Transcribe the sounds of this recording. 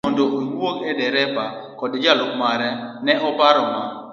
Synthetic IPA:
ɔndoʔojwoŋɛdɛɾɛpakɔdd͡ʒalokmaɾɛnɛʔɔpaɾɔma

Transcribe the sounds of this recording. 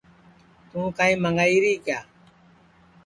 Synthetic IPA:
t̪ũːkãːĩːməŋɡaːiːɾiːkjaː

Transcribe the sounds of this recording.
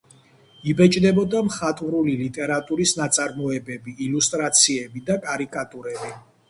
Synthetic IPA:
ibɛt͡ʃʼd̪ɛbɔd̪amχat̪ʼuɾulilit̪ʼɛɾat̪ʼuɾisnat̪sʼaɾmɔɛbɛbiːlust̪ʼɾat̪sʰiɛbid̪akʼaɾikʼat̪ʼuɾɛbi

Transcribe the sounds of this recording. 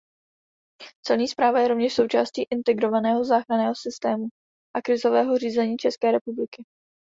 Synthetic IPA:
t͡sɛlɲiːspɾaːvajɛɾo̞vɲɛʃso̞wt͡ʃaːsciːʔɪnt̪ɛɡɾo̞vanɛːɦo̞zaːxɾanɛːɦo̞sɪst̪ɛːmu | ʔakɾɪzo̞vɛːɦoriːzɛɲiːt͡ʃɛskɛːɾɛpublɪkɪ

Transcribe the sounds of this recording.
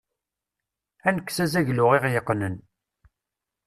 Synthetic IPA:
ænəkːsæzæʝlʊʁeʁjəqːnən

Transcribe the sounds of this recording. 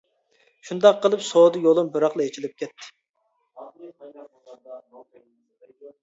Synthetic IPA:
ʃund̪ɑqːəlˠɨpsoːd̪ɨjolˠɨmbɨɾɑχlˠɨet͡ʃʰilɪp̚kʲʰɛt̪ʰːɪ̥

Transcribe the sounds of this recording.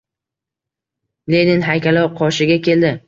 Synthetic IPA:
led̪ɪnɦajkʲʰalɒwqʰɒʃɪɡʲakʲʰe̞ld̪ɪ

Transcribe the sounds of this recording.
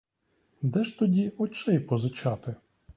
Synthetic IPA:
d̪ɛʃt̪ɔdʲiɔt͡ʃɛjpɔzɪt͡ʃɑt̪ɪ

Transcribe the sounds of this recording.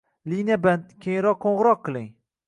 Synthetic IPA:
linijabankʲʰejɾɒqːʰoɴʁɨɾɒqːɨlˠɪŋ

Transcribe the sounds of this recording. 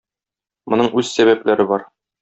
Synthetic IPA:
mŏnɤɴʉz̥sæβæplæɾɘbɒɾ

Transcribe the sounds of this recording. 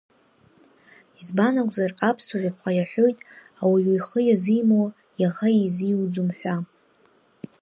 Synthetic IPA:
izbanakʷʼzarqʼapʰsuʕʷapʰqʷʰajaħʷᶣo̞jtʼ | awiwijχəjazijmowa | jaʁaiziwd͡zumħʷᶣa

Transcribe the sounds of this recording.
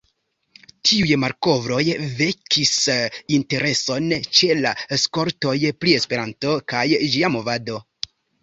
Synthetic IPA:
tʰiujmaɾko̞vɾo̞jve̞kʰisinte̞ɾʔe̞so̞nt͡ʃe̞lasko̞ɾto̞jpɾie̞spe̞ɾanto̞kajd͡ʒiamo̞vado̞

